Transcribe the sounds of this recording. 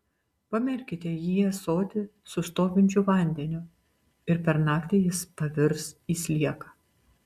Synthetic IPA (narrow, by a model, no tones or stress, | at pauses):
pɐmʲɪɾʲkʲɪt̪ʲejiːɛsoːt̪ʲɪsʊst̪oːʋʲɪnʲt͡ʃʲʊʋɐˑnʲd̪ʲɛnʲʊ | ɪɾpʲɛɾnɑːkt̪ʲɪjɪspɐʋʲɪɾsiːsʲlʲiɛkɐ̥